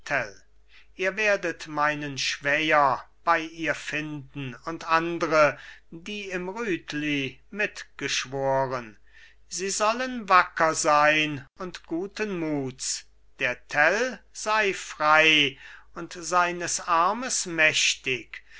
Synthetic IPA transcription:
tʰɛl | ʔiːɐveːɐdətmaɪnənʃv̥ɛjɐb̥aɪʔiːɐfɪndn̩ʊntʔandəʁədiːɪmʁyːtʰlimɪtɡ̥əʃv̥oːʁən | ziːzɔlənvakʰɐzaɪnʊntɡ̥uːtənmuːts | d̥eːɐtʰɛlz̥aɪfʁ̥aɪʊntz̥aɪnəsaɐməsmɛʃtɪk

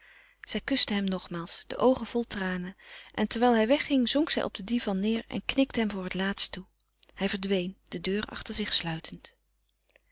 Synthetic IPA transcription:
z̥ɛjkʏstəɦɛmnɔχmaːlˠsd̥ə̰ʔowχənv̥ɔlˠtraːnəʔɛntɛɹʋɛjlˠɦɛjʋɛχɪŋzɔŋksɛ̰jʔɔ̰b̚dədivɑnːɪːɹɛ̰nknɪktəɦɛmvʊːɹɦətlaːtstu | hɛjvəɹdʋejnd̥ədøːɹʔɑ̰χtəɹzɪχslœɥtʰənt

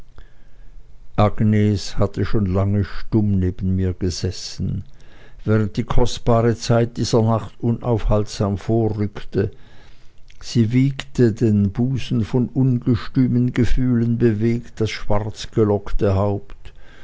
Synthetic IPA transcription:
ʔaɡneːshatʰəʃoːnlaŋəʃtʊmneːbən̩miːɐɡ̥əzɛsn̩vɛːʁənt̚d̥iːkʰɔst̚b̥aːʁət͡saɪt̚d̥iːzɐnaχtʔʊnʔaʊfhaltz̥aːmfoːɐʁʏktə | z̥iːviːktədeːnbuːsn̩fɔnʔʊnɡəʃtyːmənɡəfyːlənbəveːkt̚d̥asʃv̥aʁt͡sɡ̥əlɔktəɦaʊpt

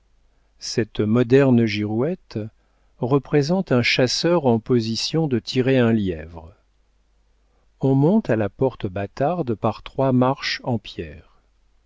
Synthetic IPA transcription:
sɛt̪mɔd̪ɛʁnʒiʁwɛt̪ | ʁəpχezɑ̃t̪ɛ̃ʃasœʁɑ̃pɔzisjɔ̃d̪ət̪ʰiʁeɛ̃ljɛvʁ | ɔ̃mɔ̃t̪alapɔʁt̪bat̪aʁd̪paʁt̪χwamaʁʃɑ̃pjɛːʁ

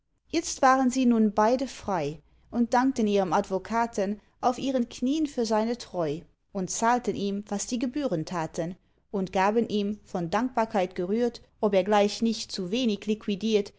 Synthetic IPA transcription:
jɛt͡stv̥aːʁənziːnuːnbaɪdəfʁ̥aɪ | ʔʊnt̚d̥aŋk̚təniːʁəmadvokʰaːtʰən | ʔaʊfiːʁənkʰniːənfyːɐzaɪnətʁ̥ɔʏ | ʔʊntt͡saːltənʔiːmvasd̥iːɡəbyːʁəntʰaːtʰən | ʊntɡ̥aːbənʔiːmfɔndaŋk̚b̥aːɐkʰaɪtɡ̥əʁyːɐtʔɔpeːɐɡlaɪçnɪçtt͡suveːnɪçlikʰwidiːɐt

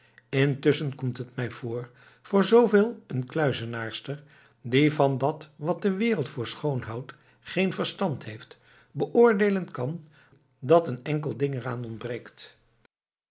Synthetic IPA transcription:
ɪntɵsənkɔmtɦətmɛjv̥ʊːɹ | v̥ʊːɹzowveːlˠənklœɥzənaːɹstəɹ | divɑndɑtʋɑt̚dəʋɪːrəlˠtfʊːɹsχownɦɑwt | χejnvəɹstɑntɦejft | bəʔʊːɹdejlənkɑn | dɑtənɛŋk̬əlˠdɪŋəraːnɔnbrejkt

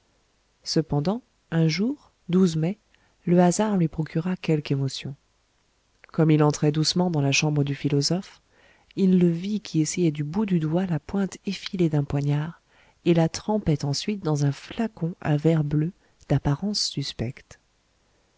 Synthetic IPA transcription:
səpɑ̃d̪ɑ̃ | ɛ̃ʒuʁ | d̪uzmɛ | ləazaʁlɥipχɔkʰʲyʁakʲɛlkemɔsjɔ̃ | kɔmilɑ̃t̪χɛd̪usmɑ̃d̪ɑ̃laʃɑ̃bʁəd̪yfilɔzɔf | ilːəvikʲʰiesɛjɛd̪ybud̪yd̪walapwɛ̃t̪efiled̪ɛ̃pwaɲaʁ | elat̪χɑ̃pɛt̪ɑ̃sɥit̪̚d̪ɑ̃zɛ̃flakɔ̃ʔa̰vɛʁblø | d̪̥apaʁɑ̃sːyspɛkt̪

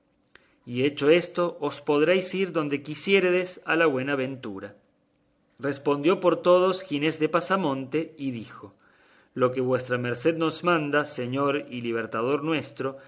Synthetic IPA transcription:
ie̞t͡ʃo̞e̞st̪o̞ʔːspo̞ðɾejsiɾðo̞nd̪e̞kisje̞ɾeðesalaβwe̞naβent̪uɾa | respo̞nd̪jo̞po̞ɾt̪o̞ð̞osxine̞zðe̞pasamõ̞nt̪eiðixo̞ | lo̞ke̞βwe̞st̪ɾame̞ɾse̞ðno̞zmãnd̪aseɲo̞ɾiliβ̞eɾt̪að̞o̞ɾnwe̞st̪ɾo̞

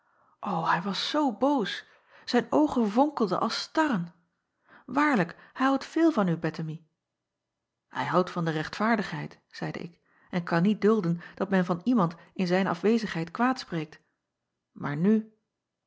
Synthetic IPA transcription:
ʔowɦɛjʋɑsːowbowsː | ɛjnowχəvʊŋkəl̩ˠdə̰ʔɑlˠstɑɾən | ʋaːɹləkhɛjɦɑwtfɪːlˠvɑnybɛtəmi | hɛjɦɑwtfɑndərɛχtfaːɹdəχɦɛjt | z̥ɛjdə̰ʔɪ̰k | ʔɛnkɑnːit̚dɵlˠdənd̥ɑtmɛnvɑnimɑntɪnzɛjnɑ̰fʋejzəχɦɛjtkʋaːtsprejk̚t | ma̰ːɹny

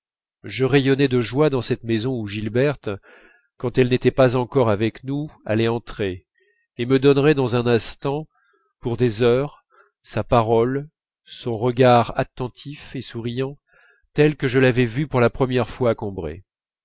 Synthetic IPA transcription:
ʒəʁejɔnɛd̪əʒwad̪ɑ̃sɛt̪mezɔ̃uʒilbɛʁt̪ | kɑ̃t̪ɛlnet̪ɛpazɑ̃kɔʁavɛknua̰lɛɑ̃t̪χe | eməd̪ɔnʁɛd̪ɑ̃zɛ̃nɛ̃st̪ɑ̃ | puʁd̪ezœʁ | sapaʁɔl | sɔ̃ʁəɡaʁat̪ɑ̃t̪ʰifesuʁijɑ̃ | t̪ɛlkəʒəlavɛvypuʁlapχəmjɛʁfwaːkɔ̃bʁḛ

